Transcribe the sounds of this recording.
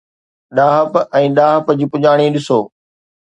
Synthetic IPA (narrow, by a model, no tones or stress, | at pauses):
ɗaːɦəpɛ̃ːɗaːɦəpd͡ʑiːpʊd͡ʑaːɽ̃iɗɪsoː